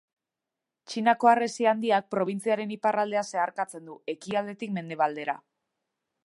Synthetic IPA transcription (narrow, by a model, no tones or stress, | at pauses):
t͡ʃinako̞are̞siand̪iak̚pɾo̞β̞int͡siaɾe̞niparald̪e̞ase̞aɾkat͡se̞nd̪ue̞kiald̪e̞t̪ikme̞nd̪e̞βald̪e̞ɾa̰